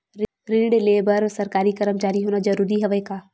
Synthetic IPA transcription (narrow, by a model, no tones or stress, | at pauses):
ɾɪ̃ɽleːbəɾsɐɾkaːɾikɐɾəmt͡ʃaːɾiɦoːnad͡ʒɐɾuːɾiɦɛʋəkaː